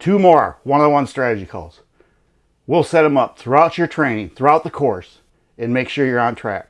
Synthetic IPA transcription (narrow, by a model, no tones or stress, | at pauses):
tʰʉmɔɹwʌ̃nʌðwʌ̃nstɹ̥æɾɨd͡ʒikʰɔ̰lˠz̥ | wilˠsɛɾɨ̃mʌp̚θɹuaʊt͡ʃə˞tʰɹ̥ẽɪ̃nɪ̃ŋθɹuaʊt̪̚ðəkʰɔɹs | ɨ̃nmeɪkʃʊɹjə˞ɑ̃ntʰɹ̥æ̰k̚